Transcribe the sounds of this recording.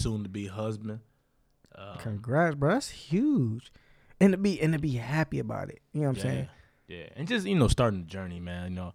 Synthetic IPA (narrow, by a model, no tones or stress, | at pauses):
sũntɨbiəɦʌzbɨ̃nd̚ | ʌkʰə̃nɡɹæsbəðætshjʉ̥ʒ̥ | ɨ̃ntɨbiʔɨ̃nɨbihæpiɨba̰ʊɾɪ̰t̚jɨnoʊãɪ̃seɪɪ̰̃ŋ | jæ̰ɨ̰̃nd͡ʒʌstjɨnoʊstɑɹɾɪ̃ŋðɨd͡ʒɜ˞nimæ̃njɨnoʊ